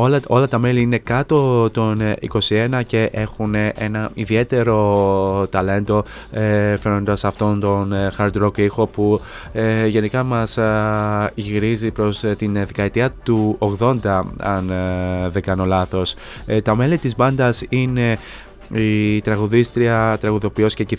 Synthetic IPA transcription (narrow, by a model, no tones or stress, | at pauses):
olɐo̞lɐt̪ɐme̞liine̞kɐt̪o̞t̪o̞nḭko̞sie̞nɐce̞ʔe̞xunʔe̞nɐiðie̞t̪e̞ɾo̞t̪ɐle̞nt̪o̞ | fe̞no̞nd̪ɐsɐft̪o̞nt̪o̞nxɐɾd̪ɾokixo̞pu | ʝe̞nikɐmɐs | iɣɾizipɾo̞st̪inðe̞kɐet̪iɐt̪uoɣðo̞nd̪ɐɐnðeɡɐno̞lɐθo̞s | t̪ɐme̞lit̪izbɐnd̪ɐsine̞ | it̪ɾɐɣuðist̪ɾiɐt̪ɾɐɣuðo̞pio̞sceci